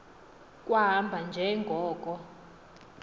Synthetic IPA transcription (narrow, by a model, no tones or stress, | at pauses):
kʼwaɦambʱand͡ʒʱɛŋɡʱɔːkʼɔ